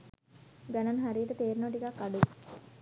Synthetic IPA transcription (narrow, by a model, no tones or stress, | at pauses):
ɡananɦaɾiːʈət̪eːɾinəʋʈ̬ikakːaɖu